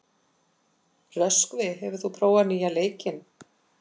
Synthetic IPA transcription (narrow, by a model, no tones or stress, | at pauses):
rœskvɪɦɛvʏ̥θupʰɾoːwaniːjaleːjcɪn